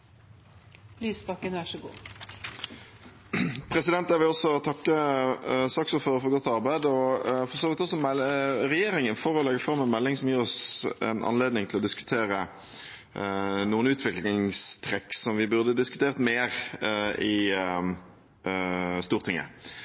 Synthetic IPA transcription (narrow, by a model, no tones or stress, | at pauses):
lyːspɑkːənæʂɔɡṵː | pʰʁɛsɪd̪ɛnt̪jæʋɪlɔsɔt̪ʰɑkːə | sɑksɔfɔɾfɔɡɔt̪ːɑʁbæɪd̪ɔfɔʁsoːʋɪt̪ɔs̬ɔmɛʁɛjeːɾɪŋənfɔɾɔlɛɡəfɾʁɑmːɛnmɛlːɪŋsɔmjiːʁɔsɛ̰nʔɑ̰nleːd̪nɪŋt̪ʰɪlɔd̪ɪskʉ̥t̪ʰeːɾə | nuːənʉːt̪ʰʋɪklɪŋst̪ʰʁɛkːsɔmʋɪbʉʁd̪əd̪ɪskʉt̪ʰeːʁt̪meːʁɪ | st̪uːʁt̪ʰɪŋːə̰